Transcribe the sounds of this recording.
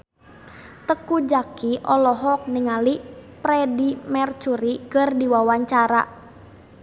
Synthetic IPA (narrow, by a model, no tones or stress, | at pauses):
t̪əkud͡ʒakiʔɔlɔɦɔk̚niŋalipɾɛdimɛrt͡ʃuɾikɨrdiwawaɲt͡ʃaɾa̰